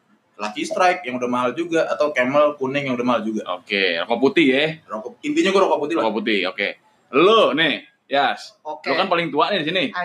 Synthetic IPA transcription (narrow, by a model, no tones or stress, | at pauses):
lakist̪ɾajk̚jaŋudahmaɦald͡ʒuɡaʔat̪awkeməlkunɛŋjaŋudahmaɦald͡ʒuɡaʔo̰kero̰kaput̪ɪjɛrokint̪iɲaɡuɾokaput̪ilakaput̪ɪo̰kḛ | lonɛ | jaslokanpalɪŋt̪uaʔnɪdisini